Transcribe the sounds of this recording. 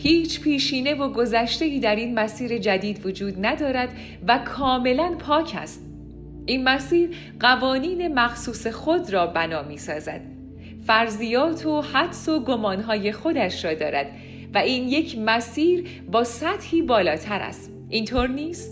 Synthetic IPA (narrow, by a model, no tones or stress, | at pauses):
hiːt͡ʃʰpʰiːʃiːne̞vo̞ɡo̞zæʃt̪e̞iːd̪æɾinmæsiːɾe̞d͡ʒæd̪iːd̪vod͡ʒuːd̪næd̪ɒːɾæd̪ | vækʰɒːme̞lænpʰɒːcʰæ̰st̪ | ʔiːnmæsiːɾ | ɢævɒːniːne̞mæxsuːse̞xo̞d̪rɒːbænɒːmiːsɒːzæ̰d̪̥̚ | fæɾzijɒːt̪ʰohæd̪so̞ɡo̞mɒːnɦɒːje̞xo̞d̪æʃɾɒːd̪ɒ̰ːɾæ̰d̪̥ | væiːnje̞cʰmæsiːɾ | bɒːsæt̪hiːbɒːlɒːt̪ʰæɾæ̰st̪ | ʔint̪ʰoːɾniːst̪